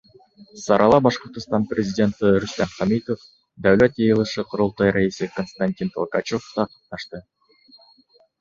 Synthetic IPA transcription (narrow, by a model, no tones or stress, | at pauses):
sɑɾɑlˠɑbɑʃqŏɾt̪əst̪ɑnprʲezʲɪdʲe̞nt̪iɾust̪ɑnχɑmit̪of | d̪awlat̪jijɯlˠɯʃɯqʰoɾulˠt̪ɑjɾʔaisɨkonst̪anʲtʲint̪ʰokɑt͡ʃoft̪ɑqɑp̚nɑʃt̪ɯ